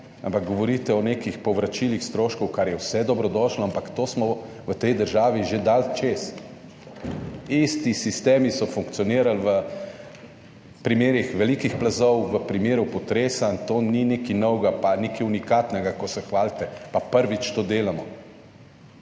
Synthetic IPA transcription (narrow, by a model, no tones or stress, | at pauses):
a̰mpaɡ̚ɡɔʋɔɾit̪ɛɔneːkixpɔwʋɾat͡ʃilixst̪ɾoːʃkɔwkaɾjɛwsɛd̪ɔbɾɔd̪ɔʃlɔampakt̪oːsmɔ | ʋət̪ɛjd̪əɾʒaːʋiʒed̪alt͡ʃes | ist̪isist̪eːmisɔfuŋkt̪siɔniːɾalʋə | pɾimeːɾixʋɛlikixplazɔwʋəpɾimeːɾjupɔt̪ɾeːsant̪oːninekinɔwɡapanekiunikaːt̪nɛɡakɔsɛxʋaːlt̪ɛpapəɾʋit͡ʃt̪oːd̪eːlamɔ